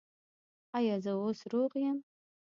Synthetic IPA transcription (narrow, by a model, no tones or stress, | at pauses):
ajazawʊsruqjan